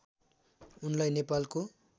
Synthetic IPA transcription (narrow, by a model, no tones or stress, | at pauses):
unlajnepalko